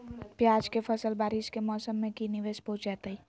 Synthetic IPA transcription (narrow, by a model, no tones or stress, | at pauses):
pjaːd͡ʒkepʰəsəlbaːɾɪʃkemɔːsəmːẽkinɪʋeːspot͡ʃaːt̪əi